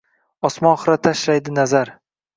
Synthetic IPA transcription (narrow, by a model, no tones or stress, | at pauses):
ɒsmɒnχɨɾat̪ʰaʃlajd̪ɪnazaɾ